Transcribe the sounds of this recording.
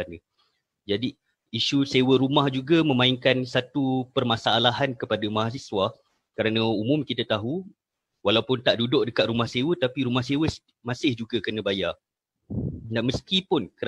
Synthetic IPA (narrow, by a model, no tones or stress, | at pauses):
anə | d͡ʒadiː | ʃusewəɾumahd͡ʒuɡamə̃mãiŋkansat̪upərmasaːlaɦankəpadamaɦas̬isua | kəɾanə̃umʊmkit̪at̪aɦu | walawpʊnt̪aʔdudʊʔ̚dəkat̪̚ɾumahsewət̪apiɾumahsewəs | mãsɪhd͡ʒuɡakənə̃baja | daməskipʊnkə